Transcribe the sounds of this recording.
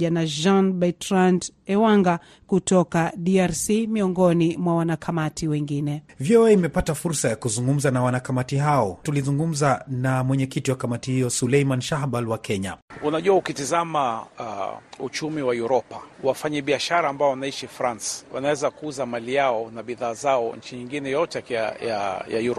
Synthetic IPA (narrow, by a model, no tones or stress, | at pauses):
ʄanaʒanbatɾandɛwaŋɡa | kutɔkaɗiaɾsimiɔŋɡɔnimwawanakʰamatʰiwɛŋɡinɛviɔɛimɛpatafuɾsajakuzuŋɡum̩zanawanakamatiɦaɔtulizuŋɡum̩zanamwɛɲɛkitiwakamatihijɔsulɛimanʃahɓalwakʰɛɲaunaʄuaukitizama | ut͡ʃumiwajuɾɔpawafaɲɛɓiaʃaɾaːmbaɔwanaiʃifɾanswa̰nawɛzakuuzamalijaɔnaɓiðaːzaɔɲ̩t͡ʃiɲiŋɡinɛjɔtɛaaja̰ja̰juɾɔ